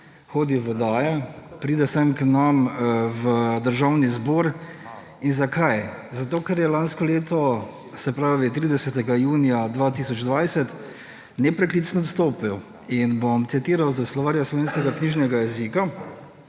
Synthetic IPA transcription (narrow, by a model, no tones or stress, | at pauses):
xoːd̪iʋɔd̪aːjɛpɾiːd̪ɛsɛmknamʋəd̪əɾʒawnizboːɾ | inzakajzat̪oːkɛɾjɛlaːnskɔleːt̪ɔ | sɛpɾaːʋit̪ɾiːd̪ɛsɛt̪ɛɡajuːnijad̪ʋaːt̪iːsɔd͡ʒd̪ʋajsɛt̪ | nɛpɾɛklit̪snɔɔt̪st̪oːpiw | inbomt̪sit̪iːɾawzaslɔʋaːɾjaslɔʋeːnskɛɡakniːʒnɛɡajɛzika